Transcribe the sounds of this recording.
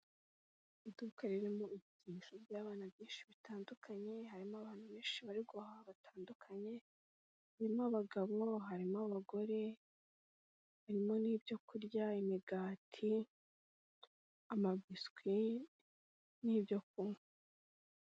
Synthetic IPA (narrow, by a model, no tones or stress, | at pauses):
idukaɾiɾimoibɟiːnʃojaːβaːnaβjiːnʃiβitaːndukʰaɲe̞ɦaɾimoaβaːn̥huβeːnʃiβaɾiɡohaβatʰaːndukʰaɲe̞ | haɾimoaβaɡaβo̞ɦaɾimoaβaɡo̞ɾe̞ | βaɾimo̞niːbjo̞kuɾjaimiɡaːtʰi | amabiskwi | niːbjo̞k̚um